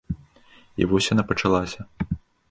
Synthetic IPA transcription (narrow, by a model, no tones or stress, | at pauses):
ḭvɔsʲjanapɐt͡ʂalˠasʲɐ